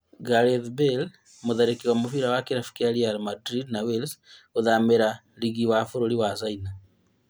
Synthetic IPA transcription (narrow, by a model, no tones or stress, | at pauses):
ɡaleðbel | muðaɾekiwamufiɾawakiɾafi̥kialialmadɾidnawelsoðameɾa | liɣiwafuɾoɾiwazaina